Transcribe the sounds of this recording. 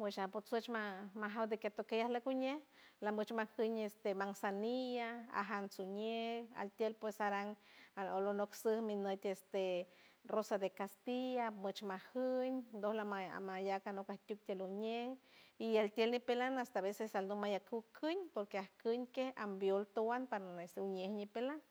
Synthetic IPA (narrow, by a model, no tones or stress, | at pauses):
pweʃapot͡sot͡ʃmamaɦawd̪eket̪okejahlakuɲehlamət͡ʃmahəɲest̪emaŋsanijaa̰ɦansuɲea̰lt̪jelpwesaɾaŋaolonoksəhminət̪est̪erosad̪ekast̪ijamət͡ʃmahəɲd̪ohlaaa̰majakanokaht̪ʲuk̚t̪ʲeluɲehialt̪jelnipelanast̪aβesesalnomajakuwkʰɨɲpoɾkeahkɨɲkehambjolt̪owanpaɾest̪uɲehɲipelan